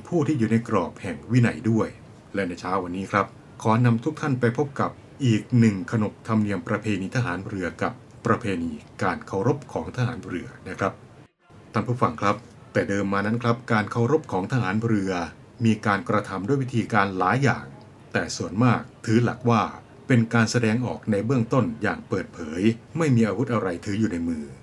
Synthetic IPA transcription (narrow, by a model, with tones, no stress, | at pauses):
pʰuː˥˩t̪ʰiː˥˩juː˨˩na˧jkɾɔː˨˩p̚hɛ˨˩ŋwi˦˥na˩jdu˥˩əj | lɛ˦˥na˧jt͡ɕʰaː˦˥wa˧nːiː˦˥kʰɾa˦˥p̚ | kʰɔː˩˦na˧mt̪ʰu˦˥k̚t̪ʰa˥˩npa˧jpʰo˦˥p̚ka˨˩p̚ | ʔiː˨˩k̚nɯ˨˩ŋkʰa˧no˨˩k̚t̪ʰa˧mni˧əmpɾa˧pʰeː˧niː˧t̪ʰaː˧ɦaː˩˦nɾɯ˧ɐka˨˩pːɾa˧pʰeː˧niː˧kaː˧nkʰa˧˩wɾo˦˥p̚kʰɔː˩˦ŋt̪ʰaː˧ɦaː˩˦nɾɯ˧ɐna˦˥kʰɾa˦˥p̚ | t̪ʰa˥˩npʰuː˥˩fa˧ŋkʰɾa˦˥p̚ | t̪ɛː˨˩dɤː˧mːaː˧na˦˥nkʰɾa˦˥p̚kaː˧nkʰa˧˩wɾo˦˥p̚kʰɔː˩˦ŋt̪ʰa˧ɦaː˩˦nɾɯ˧ɐ | miː˧kaː˧nkɾa˧t̪ʰa˧mdu˥˩jwi˦˥t̪ʰiː˧kaː˧nlaː˩˦jːa̰ː˨˩ŋ | t̪ɛː˨˩su˨˩ənmaː˥˩k̚t̪ʰɯː˦˥la˨˩k̚waː˥˩ | pe˧nkaː˧nsa˧dɛː˧ŋʔɔː˨˩k̚na˧jbɯ˥˩əŋt̪o˥˩nja̰ː˨˩ŋpɤː˨˩t̪̚pʰɤː˩˦jma˥˩jmiː˧ʔaː˧wu˦˥t̪̚ʔa˧ɾa˧jt̪ʰɯː˦˥juː˨˩na˧jmɯː˧